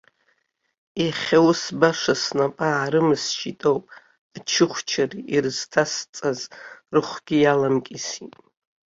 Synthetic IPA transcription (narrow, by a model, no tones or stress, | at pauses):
iχʲawsbaʂasnapʼaːɾɨmɨst͡ʃʰʼitʼowpʼ | t͡ʃʰɨχʷt͡ʃʰariʔirɨz̥tʰast͡sʼazrɨχʷɡ̥ʲijalamkʲʼisitʼ